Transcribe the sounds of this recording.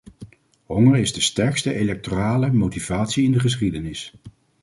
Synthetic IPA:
ɦɔŋəɹɪzdəstɛɹkstəʔelɛk̚toraːləmowtiv̥aːtsiɪndəχəs̬χidənɪs

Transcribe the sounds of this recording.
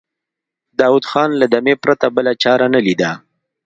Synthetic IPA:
d̪ɑwud̪xɑnlad̪amepɾat̪abəlat͡ʃɑɾanalid̪a

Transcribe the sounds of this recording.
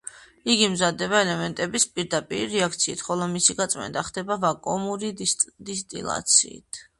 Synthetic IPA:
iɡimzad̪ɛβaɛlɛmɛnt̪ʼɛbispʼiɾd̪apʼiɾiɾɛakʰt̪sʰiːt̪ʰχɔlˠɔmisiɡat̪sʼmɛ̰nd̪ʼaχd̪ɛbavakʼɔmuɾid̪ist̪ʼḭlˠa̰t̪sʰḭːt̪ʰ

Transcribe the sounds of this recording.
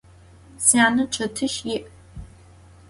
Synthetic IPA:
saːnɨʈ͡ʂʰɐtʰɨʃjɪʔ

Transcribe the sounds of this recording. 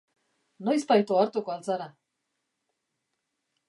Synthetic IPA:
nojstp̪ajt̪oaɾt̪ukoalt͡saɾa

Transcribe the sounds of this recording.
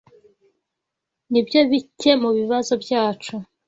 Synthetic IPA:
nibjo̞βice̞muβiβazo̞bjaːt͡ʃu

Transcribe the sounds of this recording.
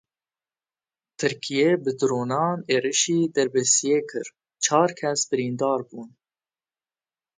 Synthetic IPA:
t̪ʰɨɾkʰijeːbɨd̪ɨɾoːnɑːneːɾɨʃiːd̪ɛɾbɛsijeːkʰɨɾ | t͡ʃʰɑːɾkʰɛsbɨɾiːnd̪ɑːɾbuːn

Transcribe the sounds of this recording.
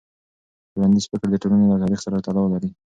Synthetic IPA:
wand̪izfɪkɽd̪əʈolunolat̪ɑɾixsaɾat̪alɑwlaɾi

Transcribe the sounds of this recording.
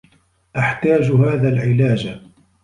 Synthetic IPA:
ʔaħt̪aːd͡ʒhaːðaːlʕɪlaːd͡ʒ

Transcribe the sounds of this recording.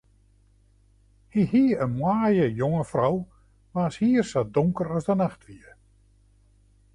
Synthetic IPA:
hihiənmwaːjəjoŋəfraw | ʋaːshiːərsadɔŋkəɾɔsdənaχtʋiə

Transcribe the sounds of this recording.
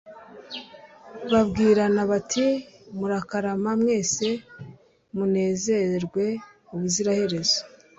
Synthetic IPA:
βabɡiːɾanaβatʰimuɾakaɾamamŋe̞ːse̞ | mune̞ːze̞ɾɡwe̞ | uβuziɾahe̞ɾe̞zo̥

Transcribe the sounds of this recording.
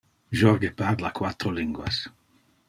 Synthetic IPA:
ʒɔɾɡepaɾlakwat̪ɾoliŋɡwa̰s

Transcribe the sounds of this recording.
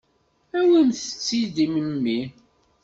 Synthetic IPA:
æwimθə̥t͡sːid̪iməmːi

